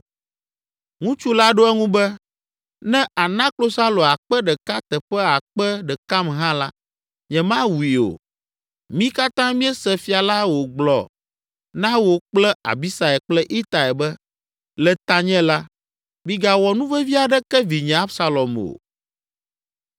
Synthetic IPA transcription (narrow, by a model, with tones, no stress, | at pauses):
ŋũ˦t͡ʃu˦la˦ɖo˦ɛ˦ŋũ˦bɛ˦ | nɛ̃˦a˨nã˦klo˦sa˦lo˨a˨k͡pɛ˦ɖɛ˨ka˦t̪ɛ˨ɸɛ˦a˨k͡pɛ˦ɖɛ˨ka˦mɦã˦la˦ | ɲɛ̃˨mã˦wu˨i˨o̰˨ | mĩ˦ka˦t̪ã˦mĩ˦ɛ˦sɛ˨fi˨a˨la˦wo˨ɡ͡blɔ̰˨ | nã˦wo˨k͡plɛ˦ʔa̰˨bi˦sa˨ɛ˨k͡plɛ˦ʔi˦t̪a˨ɛ˨bɛ˦ | lɛ˨t̪ã˦ɲɛ̃˦la˦ | mĩ˨ɡa˨wɔ˨nũ˦vɛ˦vi˦a˨ɖɛ˦kɛ˦vi˨ɲɛ̃˨a˦bsa˨lɔ˨mo̰˨